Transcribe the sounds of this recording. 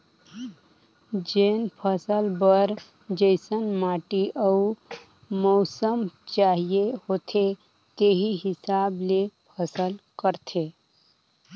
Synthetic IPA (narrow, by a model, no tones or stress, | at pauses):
d͡ʒenpʰəsəlbəɾ | d͡ʒəɪsənmaːʈiʔəu | mɔʊsəmt͡ʃaɦijehoːt̪ʰe | t̪eɦiɦɪsaːblepʰəsəlkəɾt̪ʰe